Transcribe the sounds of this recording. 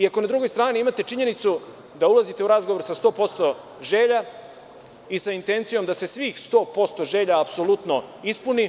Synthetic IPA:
iako̞nad̪ɾuɡo̞jst̪ɾaːniimat̪e̞t͡ʂiɲe̞nit̪su | d̪aulˠazit̪e̞uɾazɡoʋoɾsast̪o̞ːpo̞st̪o̞ | ʒe̞ːʎa | isaint̪e̞nt̪sijo̞md̪ase̞sʋiːxst̪o̞ːpo̞st̪o̞ʒe̞ːʎaːpsolut̪no̞ispuni

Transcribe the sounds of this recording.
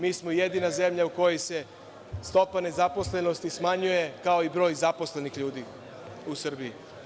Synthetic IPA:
miːsmojed̪inaze̞mʎauko̞jojse̞ | st̪o̞pane̞zapo̞sle̞no̞st̪ismaɲujekao̞ibɾo̞ːjzaposle̞nixʎuːd̪i | usr̩bii

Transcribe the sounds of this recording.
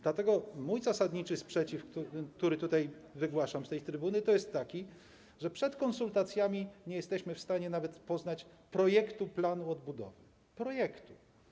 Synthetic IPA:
d̪lat̪ɛɡɔmujzasad̪ɲit͡ʂɘspʂɛt͡ɕifk̪ukt̪uɾɘt̪ut̪ajvɘɡwaʂamst̪ɛjt̪ɾɘbunɘt̪ɔjɛst̪ːakʲi | ʐɛpʂɛt̪kɔnsult̪at̪sʲjamʲiɲɛjɛst̪ɛɕmɘfst̪aɲɛnavɛt̪pɔznat͡ɕ | pɾɔjɛkt̪uplanuɔd̪bud̪ɔ̰vɘ | pɾɔjɛkt̪u

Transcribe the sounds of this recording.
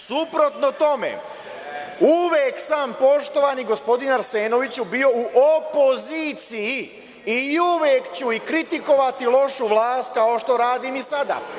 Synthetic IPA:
supɾo̞t̪no̞t̪o̞mḛ | uʋeːksaːmpo̞ʃt̪o̞ʋaniɡo̞spo̞d̪inaɾse̞ːno̞ʋit͡ɕubio̞uʔopo̞ziːt̪siji | iuʋeːkt͡ɕuikɾit̪iko̞ʋat̪ilˠo̞ʃuʋlˠaːst̪̚kao̞ʃt̪o̞ɾaːd̪iːmisad̪a̰

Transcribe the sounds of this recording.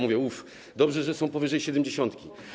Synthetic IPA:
muvʲjɛuf | d̪ɔbʐɛʐɛsɔ̃w̃pɔvɘʐɛjɕɛd̪ɛmd͡ʑeɕɔ̃nt̪kʲi

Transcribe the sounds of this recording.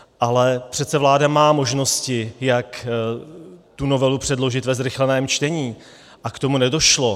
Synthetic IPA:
ʔalɛpr̥ɛt̪t͡ssɛvlaːdamaːmo̞ʒno̞scɪjak | t̪uno̞vɛlupr̥ɛdlo̞ʒɪt̪vɛzɾɪxlɛnɛːmt͡ʃt̪ɛɲiː | ʔakt̪o̞munɛdo̞ʃlo̞

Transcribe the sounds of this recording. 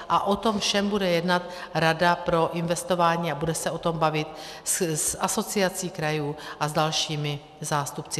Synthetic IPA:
ʔaʔo̞t̪o̞mfʃɛmbudɛjɛdnat̪ | ɾadapɾo̞ʔɪnvɛst̪o̞vaːɲiːabudɛsɛʔo̞t̪o̞mbavɪt̪ | ssʔaso̞t͡sɪat͡siːkɾajuːʔazdalʃiːmɪ | zaːst̪upt͡sɪ

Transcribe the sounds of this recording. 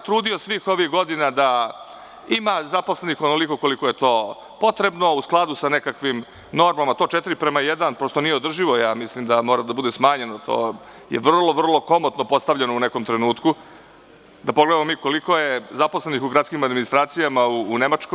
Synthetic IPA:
t̪ɾuːd̪io̞sʋixo̞ʋixɡo̞d̪inad̪a | imazaposle̞nixonoliko̞ko̞liko̞je̞t̪o̞ː | po̞t̪ɾe̞bno̞usklˠad̪usane̞kakʋim | no̞ɾmamat̪o̞t͡ʃet̪iɾipɾemajed̪anpɾost̪onijeo̞d̪r̩ʒiʋo̞jaːmislimd̪amo̞ːɾad̪abud̪esmaːɲe̞not̪ʰo̞̰ː | jḛʋr̩lˠoʋr̩lˠo̞ko̞mot̪nopo̞st̪aʋʎenouneko̞mt̪ɾenuːt̪ku | d̪apoɡled̪amomiːko̞liko̞jezapo̞sle̞nixuɡɾat̪kimad̪minist̪ɾaːt̪sijamauːne̞mat͡ʃko

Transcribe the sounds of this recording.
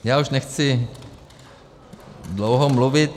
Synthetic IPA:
jaːuʃnɛxt͡sɪ | dlowɦomluvɪt̪

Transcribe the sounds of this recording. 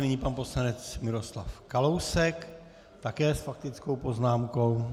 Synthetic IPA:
nɪɲiːpanpo̞slanɛt͡smɪɾo̞sla̰fkalowsɛk | t̪akɛːsfak̚t̪ɪt͡sko̞wpo̞znaːmko̞w

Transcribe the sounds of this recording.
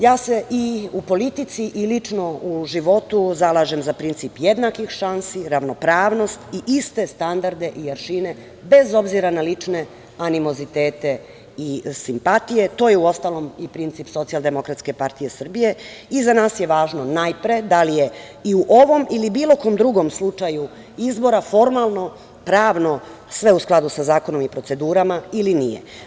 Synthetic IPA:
jaːse̞ʔiupo̞lit̪it̪siʔilit͡ʃno̞uʒiʋo̞t̪uzalˠaːʒe̞mzapɾint̪siːpje̞d̪nakixʃansiɾaʋno̞pɾaːʋno̞st̪iʔist̪e̞st̪and̪aɾd̪e̞ʔijaɾʃine̞ | be̞zo̞bziɾanalit͡ʃne̞ | animo̞zit̪e̞ːt̪e̞ | isimpat̪ije̞t̪o̞ːjeuo̞st̪aːlo̞mipɾint̪sipso̞t̪sialˠd̪e̞mo̞kɾat̪ske̞paɾt̪ije̞sr̩bije̞izanaːsje̞ʋaːʒno̞najpɾe̞d̪alije | iuʔo̞ʋo̞milibiːlˠo̞ko̞md̪ɾuɡo̞mslut͡ʂaju | izbo̞ɾafo̞ɾmalˠno̞ | pɾaːʋno̞ | sʋe̞usklˠad̪usazaːko̞no̞mipɾo̞t̪se̞d̪uːɾamailinijḛ

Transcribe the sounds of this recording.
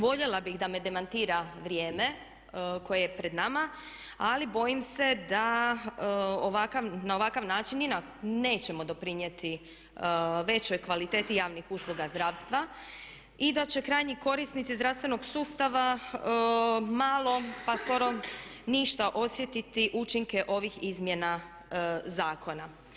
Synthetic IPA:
ʋo̞ʎelabiɣd̪ame̞d̪e̞mant̪iːɾaʋɾje̞ːme̞ | ko̞jejepɾed̪nama | alibo̞jimse̞d̪a | oʋakaʋnao̞ʋakaʋnaːt͡ʃinina | ne̞ːt͡ɕemo̞d̪o̞pɾiɲjet̪i | ʋe̞t͡ɕo̞jkʋalit̪e̞ːt̪ijaːʋnixuːslˠuɡazd̪ɾaːʋst̪ʋa | id̪at͡ɕe̞kɾaːjɲiko̞ɾisnit̪sizd̪ɾaʋst̪ʋe̞no̞ɡsuːst̪aʋa | malˠo̞pasko̞ɾo̞niʃt̪aʔo̞sje̞t̪it̪iʔut͡ʃiŋke̞ʔo̞ʋixizmjena | zaːkʰo̞na

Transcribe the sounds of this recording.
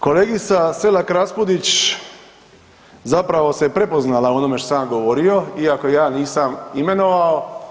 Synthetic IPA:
ko̞leːɡit̪saselakɾaspod̪it͡ɕ | zapɾaʋo̞sepɾe̞po̞znalao̞nomeʃt̪osamɡoʋo̞ɾio̞iakojaːniːsamime̞no̞ʋao

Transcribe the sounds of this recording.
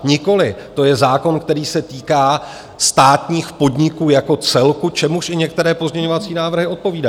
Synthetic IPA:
ɲɪko̞lɪt̪o̞jɛzaːko̞nkt̪ɛɾiːsɛt̪iːkaː | st̪aːt̪ɲiːxpo̞dɲɪkuːjako̞t͡sɛlkut͡ʃɛmuʃʔɪɲɛk̚t̪ɛɾɛːpo̞zɲɛɲo̞vat͡siːnaːvr̩ɦɪo̞t̪̚po̞viːdai

